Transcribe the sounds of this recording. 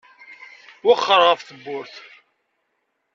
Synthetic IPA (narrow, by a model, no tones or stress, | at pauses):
waχːəɾʁəfθəbːʊɾθ